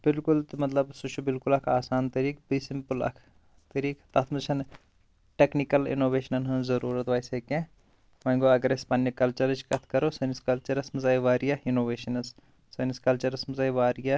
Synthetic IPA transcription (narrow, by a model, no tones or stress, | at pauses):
b̥ɪlkult̪mɐt̪lɐbsut͡ʃʰubɪlkulɐkʰaːsaːnt̪ɐɾiːk̚bisimpulɐ̰kʰ | t̪ɐɾiːkt̪ɐt̪ʰmɐt͡ʃʰɐn | ʈeknikɐlḭnoːʋeːʃɐnɐnɦɐnzɐɾuːɾɐt̪ʋaːjsɐkẽ | ʋɐɡoɐɡɐɾɐspɐnjɐkɐlt͡ʃɐɾt͡ʃʰkɐt̪ʰkɐɾosɐniskɐlt͡ʃɐɾɐsmɐzaːjiʋaːɾijɐinoːʋeːʃɐnɐs | sɐniskɐlt͡ʃɐɾɐsmɐzaːiʋaːɾija